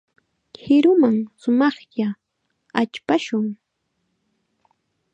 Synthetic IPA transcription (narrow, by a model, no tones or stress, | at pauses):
hɪɾʊmaŋsʊmɑχja | at͡ʃpaʃʊŋ